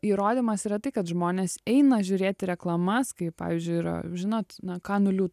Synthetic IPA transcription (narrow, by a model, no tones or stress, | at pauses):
iːɾoːd̪ʲiːmɐsiːɾɐt̪ɐɪkɐt̪ʒmoːnʲeːsɛɪnɐʒʲʊɾʲeːt̪ʲɪɾʲɛklˠɐmɐskɐɪpɑ̰ːʋʲiːzʲd͡ʒʲʊɪiɾɐ̰ʒʲɪnoːt̪nɐkɑːnʊlʲuːt